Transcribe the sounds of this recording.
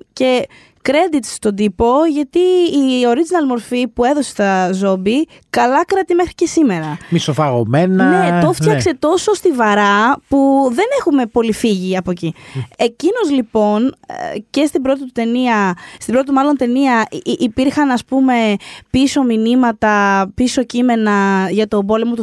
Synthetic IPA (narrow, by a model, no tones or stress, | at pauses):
ce̞ | kɾe̞d̪it̪sst̪o̞d̪ipo̞ʝɐt̪iːo̞ɾid͡zinɐlmo̞ɾfipue̞ðo̞se̥st̪ɐzo̞bi | kɐlɐkɾɐt̪imexɾice̞sime̞ɾɐmisofɐɣo̞me̞nɐnet̪oft̪çɐkse̞t̪o̞so̞st̪ivɐɾɐpuðe̞ne̞xume̞po̞lifiʝiɐpocie̞cino̞zlipo̞nce̞st̪ibɾo̞t̪it̪ut̪e̞niɐst̪ibɾo̞t̪it̪umɐlo̞nt̪e̞niɐʔːpiɾxɐnɐspume̞piso̞minimɐt̪ɐpiso̞cime̞nɐʝɐt̪o̞bo̞le̞mo̞t̪u